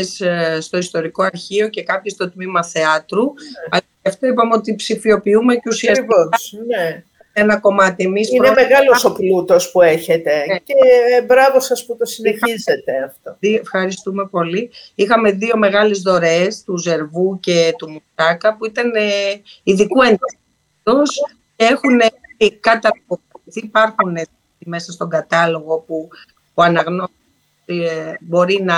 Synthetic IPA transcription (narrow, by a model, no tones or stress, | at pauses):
esst̪o̞ist̪o̞ɾiko̞ɐɾçio̞ce̞kɐpçist̪o̞t̪mimɐθe̞ɐt̪ɾuɐ | ɐft̪oipɐmeo̞t̪ipsifio̞piume̞ceusiɐsivone | enɐko̞mɐt̪iemisinemeɣɐloso̞plut̪o̞spueçet̪e̞eebɾɐvo̞sɐsput̪osineizzet̪eɐft̪oiefxɐɾist̪ume̞po̞liixɐme̞ðio̞me̞ɣɐlezðo̞ɾe̞st̪uze̞ɾvuce̞t̪umusɐkɐpuit̪ɐneiðikue̞nd̪ɐ | i | tus | cee̞xuneikɐt̪ɐipokɐiθiipɐɾxune | ime̞sɐst̪o̞ɡɐt̪ɐlo̞ɣopu | puɐnɐɣno | otibo̞ɾinɐ